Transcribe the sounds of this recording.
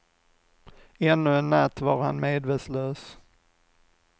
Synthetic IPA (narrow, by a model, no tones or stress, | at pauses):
ɛnːɵɛnːat̪ːvɑːɾha̰nmeːd̪vet̪sløːs